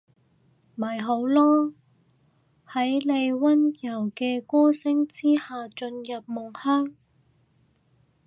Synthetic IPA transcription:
mɐ˨˩jɦo˨˥wlɔː˥ | hɐ˨˥jle˨˧jwɐ˥njɐ˨˩wkɛː˧kɔː˥sɪ˥ŋt͡siː˥haː˨˧t͡ʃɵ˧njɐ˨p̚mʊ˨˩ŋhœː˥ŋ

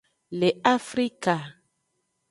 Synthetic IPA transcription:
le˨a˦fɾi˦ka˨

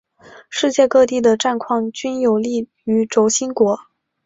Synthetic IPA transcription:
ʂɻ̩˥˧t͡ɕjɛ˥˧kɤ˥˧t̪i˥˩d̪ə˩ʈ͡ʂa˥˧nkʰwɑ˥˩ŋt͡ɕy˥njo˨˩ʊli˥˩ | y˧˥ʈ͡ʂo˧˥ʊɕi˥nkwɔ˧˥

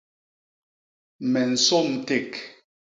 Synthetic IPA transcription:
mɛ˨n̩˨sɔ˦˨m̩˨te˦˨k

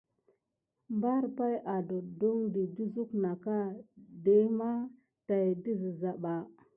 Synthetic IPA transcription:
mba˦ɾpa˦jʔa˨do˨du˦ŋdi˨d͡ʒu˦zu˦kna˨ka˦de˦ma˦ | ta˨jdi˦zi˨za˨ɓa˨

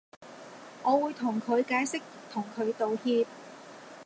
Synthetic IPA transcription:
ŋɔː˨˧wuː˨˧jt̪ʰʊ˨˩ŋkʰɵ˨˧ɥkaː˨˥jsɪ˥k̚ | t̪ʰʊ˨˩ŋkʰɵ˨˧ɥt̪o˨whiː˧t̚

